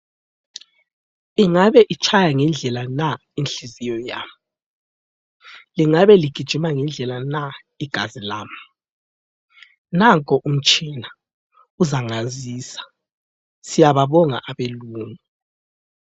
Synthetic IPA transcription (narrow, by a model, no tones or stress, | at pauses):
iŋaβɛʔit͡ʃʼʰajaŋɛnd͡ɮʱɛlana | inɬizijɔja̰ːma | liŋaβɛliɡ̥ʱid̥ʒ̥ʱumaŋɛnd͡ɮʱɛlana | iɡ̥ʱazilaːma | naŋkʼɔʔum̩t͡ʃʼina | uzaŋaziːsḁ | sijaβaβɔŋa̰ʔaβeluːŋɛ